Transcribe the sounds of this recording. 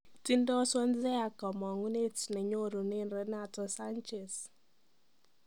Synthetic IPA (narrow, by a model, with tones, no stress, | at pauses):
ti˦ndɔ˦swɔ˦nzɛ˦a˨kɔ˨mɔ˨ŋu˦ne˦tnɛ˨ɲo˦ɾo˨ne˦nɾɛ˦natɔ˨sa˦nt͡ʃɛ˨s